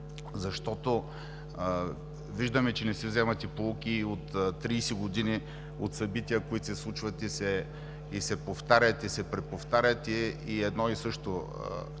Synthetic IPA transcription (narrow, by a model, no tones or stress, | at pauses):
zɐʃt̪ɔt̪o | viʒd̪ɐmɛt͡ʃɛnɛsɛvzɛmɐt̪ipoukʲiot̪t̪ːɾiːsiɡod̪ini | ot̪sɐbit̪ʲiəkoit̪o̥sɛslˠut͡ʃvɐt̪isɛ | isɛpoft̪aɾʲjɐt̪isɛpɾɛpoft̪aɾʲɐt̪ɛiɛd̪nɔisɤʃt̪o̰